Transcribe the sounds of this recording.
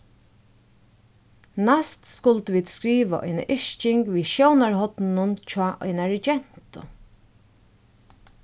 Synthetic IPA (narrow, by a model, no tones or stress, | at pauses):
nast̪skʊlt̪əʋiːd̪skɾiːʋa̰ʔɔ̰jna̰ʔɪʃt͡ʃɪŋkʋiːʃjownaɹɦɔt̪nnʊnt͡ʃʰɔːʔɔ̰ɪnaɾɪd͡ʒɛn̥t̪ʊ̰